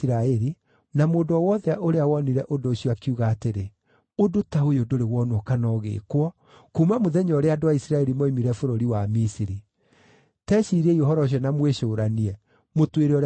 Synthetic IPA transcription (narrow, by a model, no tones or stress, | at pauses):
ɾaɛɾi | namoːndɔwɔðɛaʔoɾeawɔniɾɛʔodoːɕiɔakiuɣaːteɾe | odotaojodoɾewɔnɔkanɔɣḛːkwɔ | kumamoðɛɲɔɾeadowaisiɾaɛɾimoimiɾɛfoɾoɾiwamisiɾi | tɛʃiɾɛiɔɦɔɾɔɕ̬ɔnamweʃoːɾaniɛ | motweɾeɔɾ